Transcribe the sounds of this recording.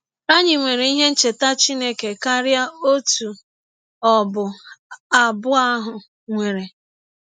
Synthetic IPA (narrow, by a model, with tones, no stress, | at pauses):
a˦ɲɪ˨ŋʷe˨ɾe˨i˦ɦe˦n̩˦t͡ʃe˨ta˦t͡ʃi˦ne˦ke˨ka˦ɾja˦o˦tu˨ | ɔ˨bʊ˨a˨bʊ˦a˦ɦʊ˨ | ŋʷe˨ɾe˨